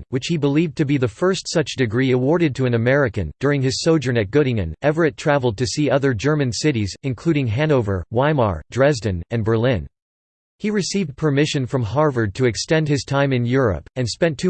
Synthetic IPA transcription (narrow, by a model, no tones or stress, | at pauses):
wɨt͡ʃhibəliv̚tʰɨbiðəfɜ˞stsʌt͡ʃd̥ɨɡɹiɨwɔɹɾɨd̚tʰɨɨ̃nɨmɛɹɨkɨ̰̃nd̥ʊɹɪ̃ŋɨz̥soʊd͡ʒə̃˞nɨt̚ɡ̥ʊɾɪ̃ŋɨ̰̃nɛvə˞ɨtʰɹ̥ævl̩ˠd̚tʰɨsiʌðə˞d͡ʒɜ˞mɨ̃nsɪɾizɨ̃nkʰl̥ʉɾɪ̃ŋɦæ̃noʊvə̰˞wãɪmɑ̰ɹdɹɛzdɨ̃nɨ̃nbə˞lɪ̃n | hiɹɨsivd̚pʰə˞mɪʃɨ̃nfɹʌ̃mɦɑɹvə˞d̚tʰɨɨkstɛ̃nd̚ɨz̥tʰãɪ̃mɨ̃njʊɹɨ̰pɨ̃nspɛ̃ntʰʉ